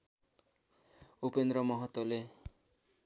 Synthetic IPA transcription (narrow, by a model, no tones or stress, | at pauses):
upend̪ɾʌmʌɦʌt̪ːole